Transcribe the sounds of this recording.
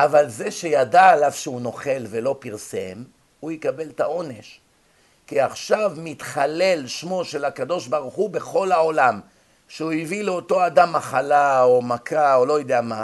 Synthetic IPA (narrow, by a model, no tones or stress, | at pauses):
ʔavalzeʃe̞jad̪aːlavʃeuno̞χe̞lvelo̞piʁse̞̰m | ujekabe̞lt̪ao̞ne̞ʃ | kiaχʃavmit̪χale̞lʃmo̞ʃe̞lakad̪o̞ʃbaʁuχube̞χo̞lao̞lam | ʃeuivileo̞t̪o̞ad̪amːaχalaomakʰaolo̞jd̪ejama